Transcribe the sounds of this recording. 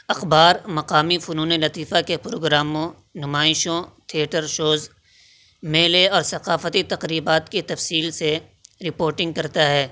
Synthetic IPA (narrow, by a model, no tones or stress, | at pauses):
ɐxbaːɾmɐqaːmifʊnuːnelɐt̪iːfakepɾo̰ːɡɾaːmõ | nʊmaːɪʃõt̪ʰiəʈəɾʃoːz | meːleɔːɾsɐqaːfət̪it̪ɐqɾiːbaːt̪kit̪ɐfsiːlse | ɾɪpoːɾʈɪ̃ŋɡ̚kɐɾt̪aɦɛː